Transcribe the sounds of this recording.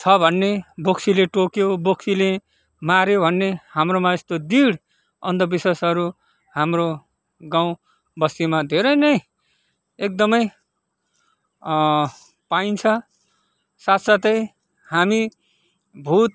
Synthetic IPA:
t͡sʰʌbʱʌnːeboksileʈokjoboksile | maɾjobʱʌnːehamromaest̪od̪iɽ | ʌnd̪ʌbisesʌɾu | hamro | ɡaw̃ | bʌsimad̪ʱeɾʌjnʌj | ek̚d̪ʌmʌj | paint͡sʰʌ | sat̪sat̪ʌj | hami | bʱut̪̚

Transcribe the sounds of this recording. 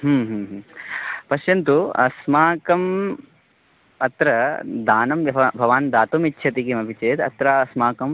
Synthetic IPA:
ɦumɦumɦ | pɐʃjɐnt̪uɐ̰smaːkɐm | ɐt̪ɾɐd̪aːnɐmjɐbʱɐʋaːnd̪aːt̪umitːʃʰɐt̪ikimɐbʱit͡ʃeːt̪ɐ̰t̪ɾaɐsmaːkɐm

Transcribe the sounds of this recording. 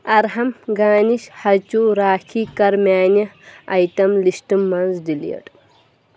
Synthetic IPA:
ɐɾɦɐmɡaːniʃhɐt͡ɕuːɾaːkʰikɐɾmʲaːnɐɐjt̪ɐmliɕʈɨmːɐnzdilḭɐ̰ʈ

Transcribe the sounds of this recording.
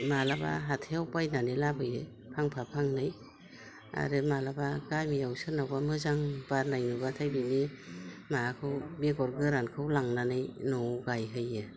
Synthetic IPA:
malaba̰ɦatʰejawpajnanilabɯjɯ | pʰaŋpʰapʰaŋnɯj | a̰ɾɯmalabaɡajmijawsɯnawamɯzaŋbaɾnajnubatʰajbinimakʰɯwbeɡɔɾɡɯɾankʰɯwlaŋnanɯjnɔwɡajɦɯjːɯ

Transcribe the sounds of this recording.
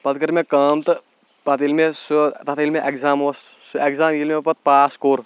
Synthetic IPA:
pɐt̪kɐɾmẽkɐmt̪ɨ | pat̪ilmesut̪at̪ʰilmeʔekzaːmoːssekzaːmjilmepɐt̪̚paːskoːɾ

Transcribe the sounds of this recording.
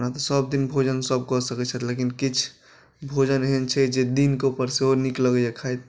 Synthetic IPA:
nat̪ɔsəbd̪inbʱod͡ʒənsəb̚kɔsəkɛt͡ʃʰɛt̪lekinkit͡ʃʰ | bʱod͡ʒənɦɛnt͡ʃʰɛd͡ʒed̪inkeupəɾseonikləɡəakʰajt̪̚

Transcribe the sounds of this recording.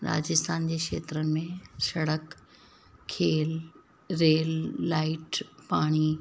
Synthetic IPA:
ɾa̰ːd͡ʑɪst̪aːnd͡ʑeːkʂḛːt̪ɾənɪ̆mẽsɐɽəkʰː | eːl | ɾeːlːaːɪʈpaːɽ̃i

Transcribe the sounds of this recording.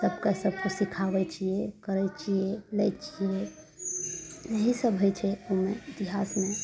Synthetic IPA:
səbkasəb̚ʱkosikʰabɛt͡ʃiɛkəɾɛt͡ʃiɛlɛt͡ʃiɛ | d͡ʒeɦisəbɦojt͡ʃʰɛomeit̪iɦasme

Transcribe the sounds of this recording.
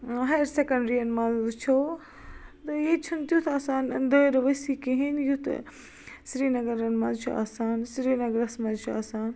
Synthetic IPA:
ɦɐjɾsekɐɳɖɾiɐnmãzut͡ʃʰoː | t̪ɨjet͡ʃʰunt̪jut̪ʰaːsaːnnd̪eːɾʋɐsikẽɦinjut̪ | sɾiːnɐɡɐɾɐnmɐzt͡ʃʰṵa̰ːsaːnsɾiːnɐɡɾɐsmɐzt͡ʃʰua̰ːsaːn

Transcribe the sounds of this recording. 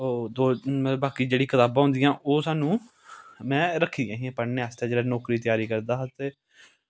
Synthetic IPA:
oːd̪oːmbaːkiːd͡ʒeːɽiːkʰət̪aːbãːɦʊ̃nd̪ijãːʔoːsaːnũː | mɛ̃ːɾəkʰːiːjãːɦĩãːpəɾneːast̪ãːd͡ʒeːaːnɔːkɾiːt̪ɪjaːɾiːkəɾd̪aːɦt̪eː

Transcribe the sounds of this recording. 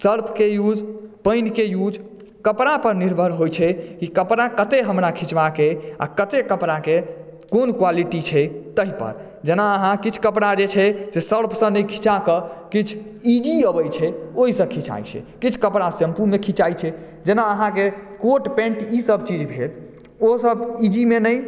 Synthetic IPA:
səɾpʰkejud͡ʒpəɪnkejud͡ʒ | kəpɾapəɾniɾbʱəɾɦojt͡ʃʰɛkikəpɾakət̪eɦəmɾakʰit͡ʃʋakea̰kət̪ekəpɾakekonkwaliʈit͡ʃʰɛt̪əɦipə̰ɾ | d͡ʒenaəɦãkit͡ʃʰkəpɾad͡ʒet͡ʃʰɛsesəɽpʰsə̃nəkʰit͡ʃakəkit͡ʃʰ | id͡ʒiəbəjt͡ʃʰɛoɦisə̃kʰit͡ʃa̰jt͡ʃʰɛ̰kit͡ʃʰkəpɽasəmpumekʰit͡ʃajt͡ʃʰɛ | d͡ʒenaəɦãkekoʈpẽɳʈisəbt͡ʃid͡ʒbʱel | osəbid͡ʒimenəj

